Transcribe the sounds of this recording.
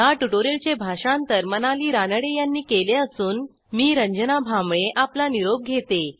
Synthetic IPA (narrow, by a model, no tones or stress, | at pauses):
jaʈuʈoɾelt͡ɕebʱaɕãnt̪əɾmənaliːɾanəɽejanːiːkeleəsuːn | miːɾəɲd͡ʑənabʱamɭeʔaplaniɾob̚ɡʱet̪e